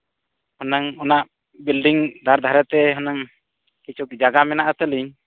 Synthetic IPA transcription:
hɔnaŋɔnaʔ | bilɖiŋd̪ʱaɾd̪ʱaɾɛt̪ɛɦɔnaŋ | kit͡ʃʰuk̚d͡ʒaɡamɛnaʔat̪əliɲ

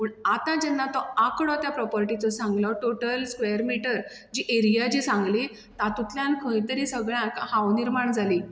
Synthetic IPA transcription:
pəɳat̪ãd͡ʑɛnːat̪ɔakɽɔt̪japɾɔpəɾʈit͡sɔsãŋɡlɔʈoʈəlskʋejəɾmiʈəɾ | d͡ʑiʔeɾijad͡ʑisãŋɡli | t̪at̪ut̪ljãnkʰə̃jt̪əɾisəɡɭjãkhawniɾmaɳd͡zʱali

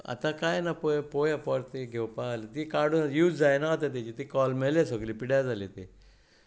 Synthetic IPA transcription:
a̰t̪ãkajnapojpojapɔɾt̪eɡʱewpalet̪ikaɽunjuːd͡zd͡zajnaat̪at̪̬at͡ɕit̪ikɔlmelesoɡlipiɽad͡zʱalet̪e

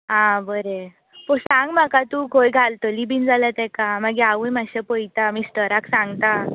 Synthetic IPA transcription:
ɦãbəɾe | pəɾsãŋɡm̤akat̪ũkʰojɡʱalt̪əlibind͡zalat̪ɛ̃kamaɡiaʋujmaɕapəjt̪amisʈəɾaksãŋɡt̪a

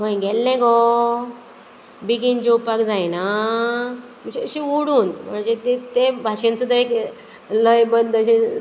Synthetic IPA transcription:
ɦəj̃ɡɛlnɛ̃ɡɔ | biɡind͡ʑopakd͡zajna | məɕeəɕĩuɽuːnm̤əɳd͡ʑet̪et̪ebʱaɕẽnsud̪ʱaɾek | ləjbənd̪əɕi

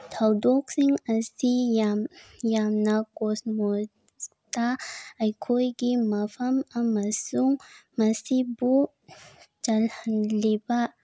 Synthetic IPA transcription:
t̪ʰɐwd̪oksiŋɐsijajamnakosmo | t̪aɐjkʰojɡimɐfɐmɐmɐsuŋmɐsibu | t͡ʃɐlhanlibaʔ

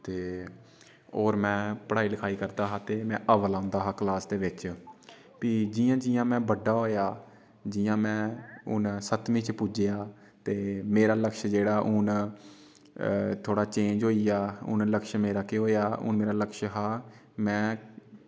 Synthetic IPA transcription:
t̪eː | oːɾmɛ̃ːpəɽaːiːləkʰaːiːkəɾd̪aːɦaːt̪eːmɛ̃ːʔəʋəlãːnd̪aːɦaːklaːsd̪eːʋɪt͡ʃ | piːd͡ʒɪjãːd͡ʒɪjãːmɛ̃ːbəɖaːɦoːjaː | d͡ʒɪjãːmɛ̃ːʊ̰nsət̪mĩːt͡ʃpʊd͡ʒejaː | t̪eːmeːɾaːləkʃd͡ʒeːɽaːʔʊn | t̪ʰoːɽaːt͡ʃẽːd͡ʒɦoːiːaːʊ̰nləkʃmeːɾaːkeɦoːjaːʊ̰nmeːɾaːləkʃɦaː | mɛ̃ː

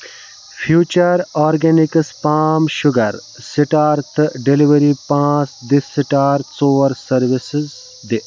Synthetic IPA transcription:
fʰjuːt͡ʃɐɾɔːɾɡenikspaːmʃʊɡɐɾ | siʈaːɾt̪ɨɖiliʋɐɾipãːsd̪isiʈaːɾt̪soːʋɐɾsɐɾʋisɪz | d̪i

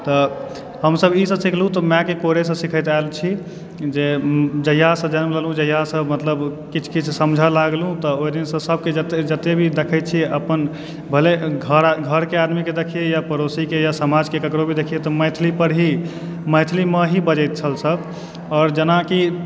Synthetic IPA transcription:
t̪ɔ | ɦəmsəbisə̃sikʰlũt̪ɔmɛ̃kekoɾesə̃sikʰəjt̪aelt͡ʃʰi | d͡ʒed͡ʒəjasə̃d͡ʒənmləlũd͡ʒəɦjasə̃mət̪ləbkit͡ʃʰkit͡ʃʰsəmd͡ʒʱalaɡlɦũt̪ɔojd̪insə̃səb̚ʱked͡ʒət̪ed͡ʒət̪ebʱid̪ekʰət͡ʃʰiəpən | bʱəleɡʱəɾɡʱəɾkead̪miked̪ekʰiejapəɾosikejasəmad͡ʒkekəkɾobʱid̪ekʰijet̪ɔməjt̪ʰlipəɾɦi | məjt̪ʰlimeɦibəd͡ʒəjt̪̚t͡ʃʰəlsəb | ɔːɾd͡ʒənaki

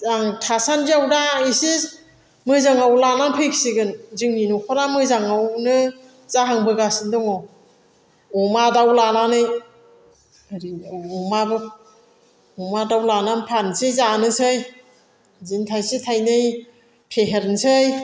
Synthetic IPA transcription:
aŋtʰasandiawdaisi | mɯzaŋawlananpʰɯksiɡɯnzɯŋninukʰɔɾamɯzaŋawnɯ | zaɦaŋbɯɡasindɔŋɔ | ɔmadawlananɯj | ɾiɔmabɯ | ɔmadawlananpʰansɯjzanɯsɯj | zintʰajsitʰajnɯj | pʰeɦeɾnsɯj

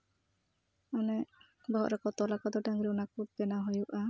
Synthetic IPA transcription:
anɛ | bɔɦɔʔɾɛkɔt̪ɔlakɔd̪ɔɖaŋɡɾɛɔnakut̚bɛnaɦojuʔa

